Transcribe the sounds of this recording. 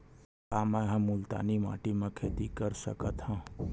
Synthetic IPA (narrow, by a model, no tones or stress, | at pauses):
aːməɦãmʊlt̪a̰ːnima̰ːʈimə̃kʰeːt̪ikəɾsə̰kət̪hãː